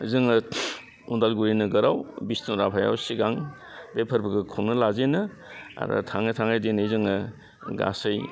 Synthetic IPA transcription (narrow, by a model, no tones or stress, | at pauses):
zɯŋɯ | undalɡuɾinɯɡɯɾawbisnuɾapʰaja̰wsiɡaŋ | bepʰɐɾbɐɡɯkʰuwnɯlazenɯ | a̰ɾɐ̰tʰaŋajtʰaŋajdenezɯŋɯ | ɡa̰sɐj